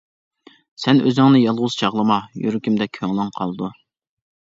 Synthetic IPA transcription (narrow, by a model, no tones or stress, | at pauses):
sɛnø̰zɪŋnɨjɑlˠʁʊz̥t͡ʃʰɑʁlˠɨmɑjy̰ɾɪkʲimd̪ɛk̚ʲkʰøŋlˠɪŋqʰɑlˠd̪u